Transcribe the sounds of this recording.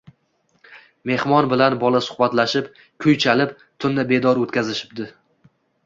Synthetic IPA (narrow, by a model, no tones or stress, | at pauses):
me̞hmɒnbɪlanbɒlasʊ̥χbat̪laʃɪp | kʲʰʊjt͡ʃʰalɪp | t̪ʰʊnːɪbe̞d̪ɒɾot̪kʲazɪʃɪ̥p̚d̪ɪ